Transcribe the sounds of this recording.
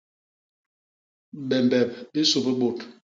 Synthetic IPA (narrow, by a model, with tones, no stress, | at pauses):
bɛ˨mbɛ˨p̚e˦so˨pe˦ɓo˨t